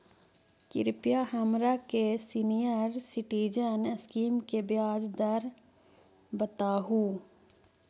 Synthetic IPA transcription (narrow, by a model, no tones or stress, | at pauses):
kɪ̰ɾpjaɦəmɾakesinijəɾsɪʈiːd͡ʒənəskiːmkebjaːd͡ʒd̪əɾ | bət̪aːɦuː